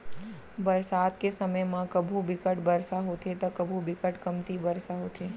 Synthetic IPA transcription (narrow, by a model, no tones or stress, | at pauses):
bəɾsad̪kesəməjmãkəbʱubɪkəʈbəɾsaɦot̪ʰet̪okəbʱubɪkəʈkəmt̪ibəɾsaɦot̪ʰe